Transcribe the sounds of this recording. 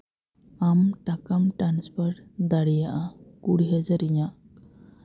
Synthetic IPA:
amʈakamʈɾanspʰɔɾʈd̪aɽijaʔakuɽiɦɛd͡ʒaɾiɲaʔ

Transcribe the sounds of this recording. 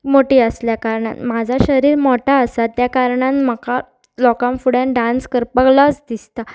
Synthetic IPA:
moʈiːəsljakaɾɳa̰nmad͡zʱaɕəɾiːɾmɔʈʰaəsat̪jakaɾɳãnməka | lɔkamfuɽãnɖãnskəɾpəklasd̪ist̪a

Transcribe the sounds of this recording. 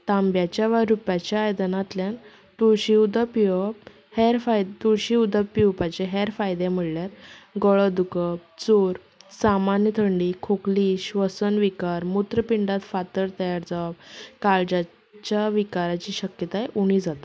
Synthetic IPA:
t̪ambjat͡ɕjaʋaɾupjat͡ɕjaːjd̪ənat̪ljan | t̪uɕiud̪əpiʋəp | hɛɾfajt̪uɾɕiud̪əpiuwpat͡ɕeɦɛɾfajd̪em̤əɽljaɾɡəɭəd̪ukəb̚t͡soɾ | samanjət̪ʰəɳɖiːkʰokliɕʋəsənʋikaɾmut̪ɾəpiɳɖat̪fat̪əɾt̪əjaɾd͡zaʋabkald͡ʑa | t͡ɕjaʋikaɾat͡ɕiːɕəkjət̪ajʔuɽ̃id͡zat̪a

